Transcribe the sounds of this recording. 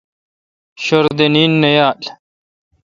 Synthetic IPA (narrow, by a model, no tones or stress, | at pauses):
ɕoɾd̪eniːnːɐjaːl